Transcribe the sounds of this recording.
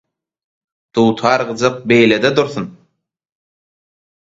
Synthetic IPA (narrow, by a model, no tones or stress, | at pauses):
d̪̥uːt̪ʰɑːɾʁɯd͡ʒɯq̚bejled̪ed̪uɾθun